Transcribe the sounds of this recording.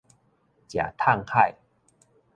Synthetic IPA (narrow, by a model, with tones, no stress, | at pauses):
t͡ɕja̰˨˩t̪ʰa˥˧ŋha˥˧˨j